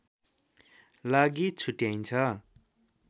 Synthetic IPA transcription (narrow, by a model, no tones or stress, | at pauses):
laɡit͡sʰuʈjajnt͡sʰʌ